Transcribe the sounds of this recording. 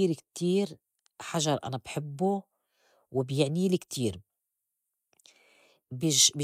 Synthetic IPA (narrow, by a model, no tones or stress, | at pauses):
iːɾkt̪iːɾ | ħaʒɑɾˤʔa̰nabħɪbːu | wɪbjɪʕniːlikt̪ʰiːɾ | bɪb